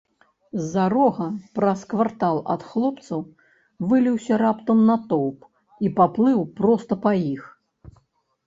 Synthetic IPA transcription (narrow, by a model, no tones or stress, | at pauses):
zːaɾɔɣɐpɾɐskvart̪alˠɐ̰t̪xlˠɔpt̪sɐw | vɨlʲiwsʲɐɾapt̪ɐmnɐt̪ɔwp | ipaplˠɨwpɾɔst̪ɐpajix